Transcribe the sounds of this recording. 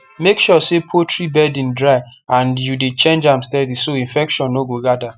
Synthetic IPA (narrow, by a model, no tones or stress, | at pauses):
mekʃɔsepʰotʰɹibɛdĩndɹaɪãnjudet͡ʃẽnd͡ʒãmstɛdisoĩnfɛkʃɔ̃nːoɡoɡada